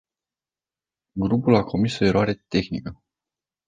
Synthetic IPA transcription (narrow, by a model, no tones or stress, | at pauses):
ɡɾupulakʰo̞miso̞e̞ɾoaɾe̞t̪e̞xnikə